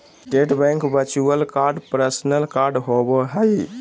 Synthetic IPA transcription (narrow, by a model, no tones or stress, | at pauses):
ʈeʈbɛ̃ŋkbət͡ʃuəlkaɾɖpɾəsnəlkaɾɖɦobɔɦəj